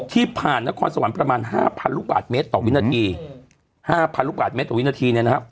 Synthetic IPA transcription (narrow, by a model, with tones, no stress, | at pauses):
t̪ʰiː˥˩pʰaː˨˩nːa˦˥kʰɔː˧nsa˧wa˩˦npɾa˧maː˧nɦa̰ː˥˩pʰa˧nɾu˦˥k̚baː˨˩t̪̚meː˦˥t̪ːɔː˨˩wi˦˥na˧t̪ʰiː˧ | haː˥˩pʰa˧nɾu˦˥baː˨˩me˦˥t̪ːɔː˨˩˦tna˧t̪ʰiː˧ni˥˩ɐna˦˥kʰa˦˥p̚